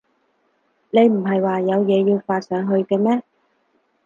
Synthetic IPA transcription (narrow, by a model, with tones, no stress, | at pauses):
ne˨˧jm̩˨˩ɦɐ˨jwaː˨jɐ˨˧wjɛː˨˧jiː˧wfaː˧t̚sœː˨˧ŋɦɵ˧ɥkɛː˧mɛː˥